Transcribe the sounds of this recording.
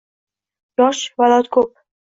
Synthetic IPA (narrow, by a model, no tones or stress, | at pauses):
jɒʃvalɒt̪kʰop̚